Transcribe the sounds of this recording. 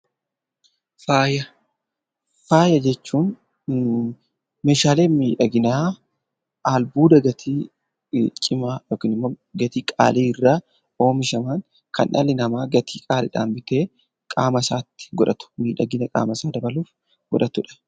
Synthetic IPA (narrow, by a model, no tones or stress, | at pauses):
faːjɐ | faːjɐd͡ʒɛt͡ʃːuːn | meːʃaːle̞ːnmiːᶑɐɡɪnaː | ʔaːlbuːd̪ɐɡɐt̪ʰiː | t͡ʃʼɪmaːjoːkɪnɪmːo | ɡɐt̪iːkʼa̰ːleːɪrːaː | o̞ːmɪʃɐmaːn | kɐ̰nʔɐ̰lɪnɐmaːɡɐt̪ʰiːkʼaːlɪᶑa̰ːmbɪt̪e̞ː | kʼaːmɐsaːt̪ːɪ̥ɡɔᶑɐt̪ʊ̥miːᶑɐɡɪnɐkʼa̰ːmɐsaːd̪ɐbɐluːf | ɡ̥ɔ̰ᶑɐt̪ʊᶑɐ̥